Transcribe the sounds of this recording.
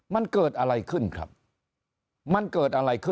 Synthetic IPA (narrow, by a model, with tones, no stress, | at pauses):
ma˧nkɤː˨˩t̪̚ʔa˧ɾa˧jkʰɯ˥˩nkʰɾa̰˦˥p̚ | ma˧nkɤː˨˩t̪̚ʔa˧ɾa˧jkʰɯ˥˩